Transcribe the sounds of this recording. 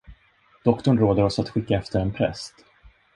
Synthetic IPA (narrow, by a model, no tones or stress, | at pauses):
d̪̥ɔkt̪ɔɳɾoːd̪əɾɔsat̪ɧɪkːaɛft̪əɾɛnpʰɾɛ̰st̪